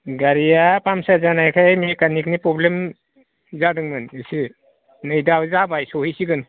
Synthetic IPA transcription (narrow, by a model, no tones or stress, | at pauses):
ɡaɾijapamsazanajkʰajmikanik̚nipɾɔblem | zadɯŋmɯnɯsi | nɯjdawzabajsɔhisiɡɯn